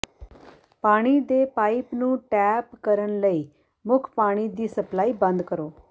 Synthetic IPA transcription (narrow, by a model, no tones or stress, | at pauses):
paːɽ̃iːd̪eːpaːipnũːʈɛːpkəɾənləiː | mʊkʰpaːɽ̃iːd̪iːsəplaːiːbə̃nd̪kəɾoː